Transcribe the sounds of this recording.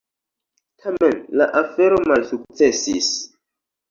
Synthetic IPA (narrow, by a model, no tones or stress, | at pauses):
tʰamenlaʔafeɾomalsuk̚t͡sesis